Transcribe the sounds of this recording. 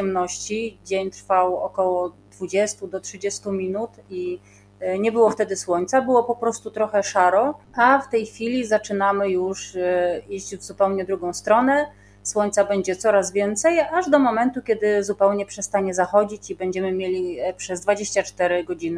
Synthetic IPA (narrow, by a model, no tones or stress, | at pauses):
ɛmnɔɕt͡ɕid͡ʑeɲt̪ɾfawɔkɔwɔd̪vud͡ʑɛst̪ud̪ɔtʂɘd͡ʑɛst̪umʲinut̪i | ɲɛbɘwɔft̪ɛd̪ɘswɔɲt̪sabɘwɔpɔpɾɔst̪ut̪ɾɔxɛʂaɾɔaft̪ɛjxfʲilʲizat͡ʂɘnamɘjuʂ | iʑd͡ʑvzupɛwɲɛd̪ɾuɡɔ̃w̃st̪ɾɔnɛ | swɔɲt̪sabɛɲd͡ʑɛt̪sɔɾazvʲjɛnt̪sɛjaʐd̪ɔmɔmɛnt̪ukʲjɛd̪ɘzupɛwɲɛpʂɛst̪aɲɛzaxɔd͡ʑit͡ɕibɛɲd͡ʑɛmɘmʲjelʲipʂɛzd̪vad͡ʑeɕt͡ɕat͡ʂt̪ɛɾɘɡɔd͡ʑinɘ